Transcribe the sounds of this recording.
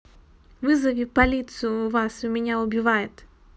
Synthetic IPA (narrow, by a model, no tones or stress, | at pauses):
vɨzɐvʲipɐlʲit̪sɨjʊːvasʊmʲɪnʲaʊbʲɪvajɪt̪